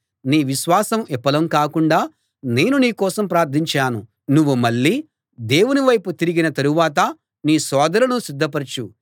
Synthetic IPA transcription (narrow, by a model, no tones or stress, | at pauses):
niːʋiʃʋaːsɐmɛpːɐlɐmkaːkuɳɖaː | ne̞ːnuniːkɔːsɐmpɾaːɾt̪ʰiɲt͡ʃaːnu | nuʋːumɐɭːiː | d̪e̞ːwuniʋɐjput̪iɾiɡinɐt̪ɐɾuʋaːt̪̬ɐ | niːsɔːd̪ɐɾɐnusid̪ʱːɐpɐɾt͡ʃu